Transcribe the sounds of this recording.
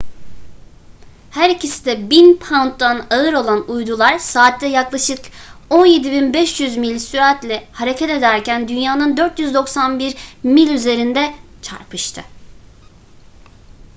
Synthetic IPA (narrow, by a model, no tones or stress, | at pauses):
hæɾicisid̪ɛbinpʰawnt̪d̪anaɯɾo̞lˠanujd̪ulˠaɾsaːt̪ːɛjaklˠaʃɯko̞nje̞d̪ibinbɛʃjyzmilʲsyɾat̪lʲɛhaɾe̞cʰɛt̪e̞d̪æɾcʰænd̪ynjaːnɯnd̪øɾt̪jyzd̪o̞ksanbiɾmilʲyze̞ɾind̪ɛt͡ʃʰa̰ɾpʰɯʃt̪ʰɯ